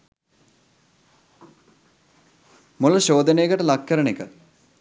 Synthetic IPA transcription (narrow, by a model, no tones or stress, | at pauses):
mulɐɕoːd̪ənejəɡəʈəlɐkːɐɾɐɳikə